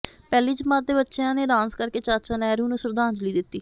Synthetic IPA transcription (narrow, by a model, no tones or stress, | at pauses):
pɛːliːd͡ʒəmãːd̪eːbətːʃeãːneːɖãːnskəɾkeːt͡ʃaːt͡ʃãːnɛːɾũːnũːsʊɾd̪ãːnd͡ʒliːd̪ɪt̪ːiː